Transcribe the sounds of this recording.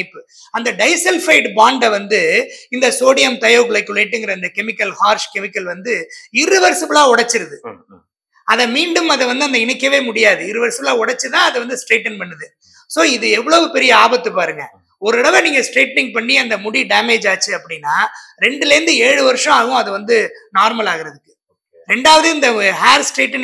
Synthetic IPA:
ɪpːɯ | ɐnd̪ɐɖɐɪsɛlfɐɪʈbaːɳɖɐʋɐnd̪ɯɪnd̪ɐsoːɽɪjɐmt̪ɐjɐʋɯkːɯɭɐɪkːɯʊlɐɪʈːɯŋɡɪɾɐɪnd̪ɐkɛmɪkːɐlhaːɾʂkɛmɪkːɐlʋɐnd̪ɯɪɾɪʋɐɾsɪbɐlaːɔɽɐt͡ʃːɪɾɐðɯ | ɐðɐmiːɳɖɯmɐðɐʋɐnd̪ɯɐnd̪ɐɪɳɪkːɐʋeːmʊɽɪjaːðɯɪɾɪʋɐɾsɐbɐlaːɔɽɐt͡ʃːɯt̪ãːɐðɐʋɐnd̪ɯsʈɾeːʈːɐnpɐɳːɯðɯ | soːɪðɯɛʋːɐɭoːʋɯpɛɾɪjɐaːbɐt̪ːɯpaːɾɯŋɡɐ | ɔɾɯɽɐʋɛniːŋɡɐsʈɾeːʈːɪŋɡ̚pɐɳːiɐnd̪ɐmʊɽiɖaːmeːd͡ʒaːt͡ʃːɯɐpːɐɽɪnːaːɾɛɳɖɯleɾnd̪ɯeːɻɯʋɐɾɯʂɔ̃ɐʋʊ̃ɐðɯʋɐnd̪ɯnaːɾmɐlaːɣɪɾɐðɯkːɯ̥ | ɾɛɳɖaːʋɐðɯɪnd̪ɐɦaːɾsʈɾeːʈːɐn

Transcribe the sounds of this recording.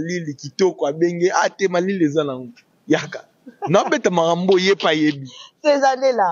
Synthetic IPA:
lilikitɔkɔabeŋɡeatemaliliezanaŋo | jaka | nabetamakambojepajebiezalela

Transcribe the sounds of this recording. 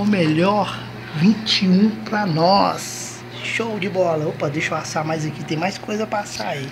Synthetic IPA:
ʊmeʎɔɾ | vĩt͡ʃiũpɾɐnɔs | ʃowd͡ʒɪbɔlɐopɐd̪ejʃʊpasamajzɐkit̪ẽj̃majskojzɐpɾɐsa̰i

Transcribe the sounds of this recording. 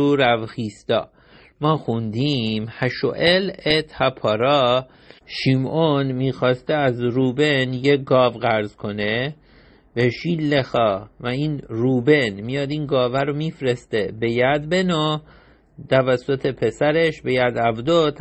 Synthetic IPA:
uɾævxiːst̪ɒ̰ː | mɒːxund̪imhæʃo̰ʔelet̪ʰhæpʰɒːɾɒː | ʃimonmiːxɒːst̪eæzɾuːbenjeɡɒːvɣæɾzkʰo̞ne | beʃilːexɒːvæiːnruːbe̞nmijɒːd̪iːnɡɒːvæɾomiːfɾest̪ebe̞jæd̪beno | t̪ʰævæsːot̪ʰepʰesæɾeʃbejæd̪ævd̪ot̪ʰ

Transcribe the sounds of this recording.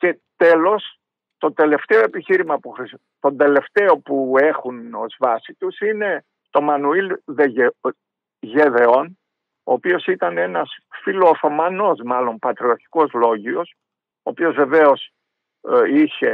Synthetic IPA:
ce̞t̪e̞lo̞s | t̪o̞t̪e̞le̞ft̪e̞o̞e̞piçiɾimɐpuxɾi | t̪o̞nd̪e̞le̞ft̪e̞o̞pue̞xuno̞zvɐsit̪usine̞ | t̪o̞mɐnuilðe | ʝeðe̞o̞n | oːpio̞sit̪ɐne̞nɐsfilo̞θomɐno̞zmɐlo̞mpɐt̪ɾiɐɾçi̥ko̞zlo̞ʝio̞s | oːpiozve̞ve̞o̞s | içe̞

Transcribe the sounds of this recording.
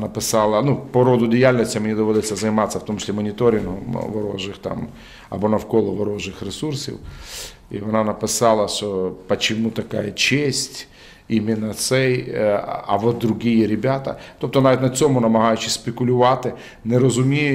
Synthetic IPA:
nɐpɪsɑlˠɐnupɔɾɔd̪ʊdʲɪjalʲnʲɔsʲtʲɐmenʲid̪ɔʋɔd̪ɪt͡sʲːɐzɐjmɑsʲːɐfwt̪ɔmt͡ʃɪ̥sʲimɔnʲit̪ɔɾʲɪnɦɔmʋɔɾɔ̰ʒɪxt̪ɑ̰m | ɐ̰bɔnɐwkɔlˠɔʋɔɾɔʒɪxɾesursʲḭw | ḭʋɔnɑnɐpɪsɑlˠɐʃɔpɐt͡ʃɪmut̪ɐka̰jɐt͡ʃesʲtʲ | imʲɪnːɐt̪sɛj | ɐ̰ʋɔt̪̚d̪ɾʊɦʲijɛɾʲɪbʲat̪ɐ̰t̪op̚t̪ɔnaʋʲit̪ʲnɐt͡sʲɔmʊnɐmɐɦɑjʊt͡ʃɪsʲpʲekʊlʲʊʋɑt̪ɪ | nɛɾɐzʊmʲij

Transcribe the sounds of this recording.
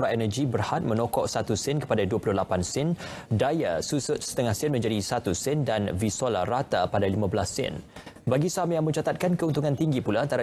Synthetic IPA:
ɾaʔɛnəd͡ʒibərhat̪̚mə̃nɔkɔʔsat̪usɪnkə̥padaduəpulʊhlapansɪn | dajasusʊt̪̚sə̥t̪əŋahsɪnmə̃ɲd͡ʒadisat̪usɪndanvisola̰ɾat̪apadalimãbəlasɪ̰n | baɡisamjaŋmə̃ɲt͡ʃat̪at̪̚kankəunt̪uŋant̪iŋɡipulaant̪aɾa

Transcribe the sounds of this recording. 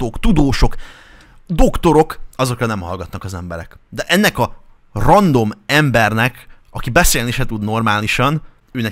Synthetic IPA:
okt̪ud̪oːʃo̞k | d̪o̞kt̪o̞ɾo̞kɒzo̞krɒnɛmhɒ̰lɡɒt̪nɒkɒzɛmbɛɾɛ̰kd̪ɛʔɛnːɛkɒ | rɒnd̪o̞mɛmbɛrnɛk | ɒkibɛseːlniːʃɛt̪ud̪no̞rmaːliʃɒn | øːnɛ

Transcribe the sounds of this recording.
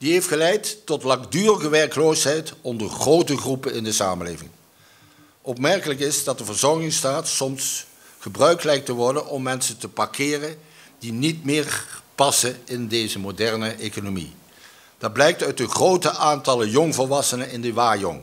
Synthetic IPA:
d̥iɦejftχəlɛjtːɔtlɑŋdyːrəɣəʋɛɹklowsɦɛjtɔndəɹχrowtəχrupənɪndəsa̰ːməlḛːjvɪ̰ŋ | ʔɔpmɛɹkələkɪsdɑt̚dəvəɹzɔɹχɪŋstaːtsɔms | χəbrœɥklɛjk̚təʋɔɹdənʔɔmːɛnsəntəpɑɹkʰɪːrən | d̥initmɪːɹpɑsənɪndejzəmodɛɹnəʔekonomḭ | d̥ɑd̚blɛjk̚tœɥtəχrowtəʔaːntɑləjɔŋvɔlʋɑsənənɪndəʋaːjɔ̰ŋ

